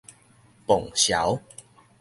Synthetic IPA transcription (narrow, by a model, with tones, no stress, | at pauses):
pɔ˨˩ŋɕja̰˨˦w